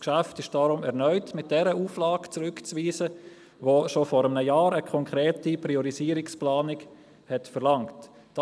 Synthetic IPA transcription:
kʃæftɪʃd̥ɑɾʊmɛʁnœʏtmɪt̚d̥ɛɾəuːflɑːɡt͡sɾʏkt͡sʋiːzə | ʋoʃofɔːɾəmnəjɑːɾəkʰɔŋkʰɾeːtipɾiɔɾiziːɾɪksplɑːnɪk | hɛtfɛɾlɑŋt | d̥

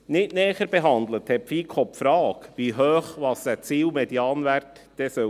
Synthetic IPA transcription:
nɪtnɛːχəɾbɛɦɑnd̪ləthɛpfiːkʰɔpfɾɑːkʋiɦøːχʋɑsæt͡siːwmɛd̪jɑːnvæɾt | d̥ɛsœ

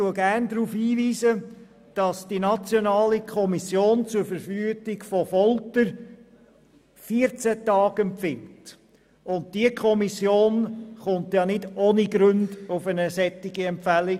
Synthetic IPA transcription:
tuəɡæɾndɾuːfhiːʋiːzə | d̥ɑsd̥inɑt͡sjɔnɑːlikʰɔmisjoːnt͡sʊɾfəɾfyəɡɪɡfɔfɔltəɾ | fiːəɾt͡sætɑːɡɛmpfɪnt | ʊnt̚d̥iəkʰχɔmisjoːnχʊntjɑnɪdoːniɡɾɵnd̥ʊfənəsɛtːɪɡiɛmpfæli

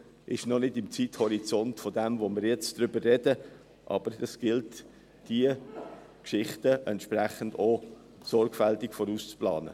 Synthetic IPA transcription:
ʔɪʃnɔnɪtɪmt͡sithɔɾit͡sɔntfodɛmvomɪɾjɛt͡sd̥ʁʏbərːɛdə | ʔɑ̰b̥əɾdɑsɡ̥ɪlt | d̥iə | kʃɪχtəʔɛntʃpræχəndoː | sɔɾɡfæltɪkfɔɾust͡splɑ̰ːnə̰

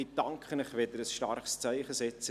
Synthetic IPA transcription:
itɑŋkʰχənəχʋɪd̪əɾəsʃtɑ̰rχst͡saɪχəsɛt͡sə

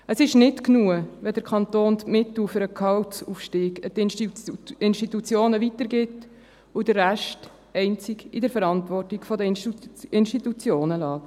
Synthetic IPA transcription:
əsɪʃnɪtknuəʋɛdəɾkʰɑnt̪oːntmɪt̪l̩fʏɾəkʰɑltsufʃtiːɡət̪nʃɪnʃtitut͡sjoːnəʋitəɾɡɪt | ʊd̥əɾːæʃt | ɛɪnt͡sɪɡidəɾfəɾɑntʋɔrtikfɔdəɪnʃtit̪ut͡sjoːnəlɑː

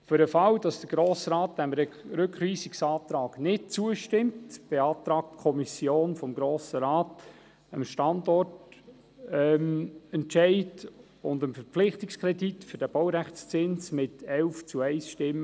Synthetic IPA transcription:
fʏɾəfɑwd̥ɑsd̥əɡ̥ɾoːsɾɑːt̚d̥ɛmɾɾɵkχʋiːsiksɑːt̪ɾɑːɡ̥nɪt̚t͡suəʃtɪmtb̥eɑːtɾɑːk̚tkʰɔmisjoːnfɔmɡɾoːsəɾɑːt | əmʃtɑndɔrt | ɛmɛntt͡ʃɛɪd | ʊndəmfəɾpflɪχtikskʰɾɛditfʏɾd̥æb̥awɾæχt͡st͡sɪnsmɪtɛlft͡suɛɪsʃtɪmːə

